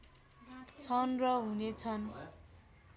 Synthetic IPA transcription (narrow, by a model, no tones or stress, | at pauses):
t͡sʰʌnrʌɦunet͡sʰʌn